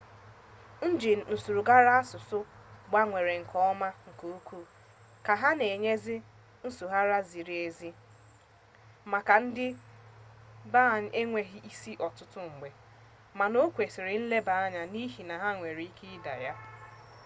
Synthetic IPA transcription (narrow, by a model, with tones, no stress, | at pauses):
n̩˦d͡ʒɪ˨n̩˨su˨ɾu˨ɡa˦ɾa˦a˦sʊ˨sʊ˦ɡ͡ba˦ŋʷe˨ɾe˨ŋ̩˨kʰɔ˦ma˦ŋ̩˨ko˦u˦kʰu˦ | ka˨ɦa˦ne˨ɲe˦zɪ˦ | n̩˦su˨ɦa˦ɾa˦zi˨ɾi˨e˨zi˦ | ma˨ka˨n̩˦dɪ˦ | ba˦˨ɲ̩˦ʔe˦ŋʷe˦ɦi˦i˦si˦ʔɔ˨tʊ˦tʊ˦ŋ̩˨ɡ͡be˨ | ma˨no˦kʷe˨sɪ˨ɾɪ˨n̩˦le˦ba˨a˦ɲa˨ni˦ɦi˨na˨ɦa˦ŋʷe˨ɾi˨i˦kʰi˦i˦da̰˨ja˦